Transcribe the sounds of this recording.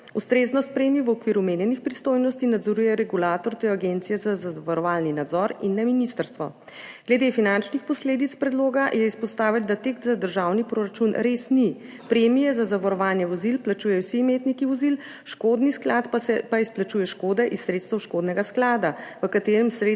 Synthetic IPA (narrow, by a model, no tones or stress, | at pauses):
ust̪ɾeːznɔst̪̚pɾemiʋɔkʋiːɾumeːnjɛnixpɾist̪oːjnɔst̪inad̪zɔɾuːjɛɾɛɡulaːt̪ɔɾt̪ojaɡent̪sijɛzazaʋaɾɔʋaːlninad̪zɔɾinːɛminist̪əɾst̪ʋɔ̰ | ɡ̥lɛd̪efinant͡ʃnixpɔsleːd̪it̪spɾɛd̪loːɡajɛispɔst̪aːʋild̪at̪ekt̪zad̪əɾʒawnipɾoɾat͡ʃunɾesni | pɾeːmijɛzazaʋaɾɔʋaːlnjɛʋɔzilplat͡ʃuːjɛwsimeːt̪nikiʋɔzil | ʃkod̪nisklat̪pɛpaisplat͡ʃuːjɛʃkoːd̪ɛʔissːɾet̪st̪əwʃkoːd̪nɛɡasklaːd̪aʋəkat̪eːɾɛmsɾe